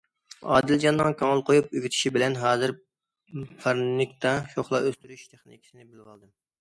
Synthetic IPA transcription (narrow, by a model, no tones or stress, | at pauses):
ɑ̰ːd̪ɪld͡ʒɑnːɨŋkʲʰøŋəlˠqʰojup̚yɡʲit̪ʰɪ̥ʃibɪlɛnɦɑːzɨɾ | pʰɑɾnnɪkʲt̪ʰɑʃoχlˠɑʔøst̪yɾyʃt̪ʰeχnɪ̰kʲʰi̥sɪnɪbɪlʁɑlˠd̪ɨm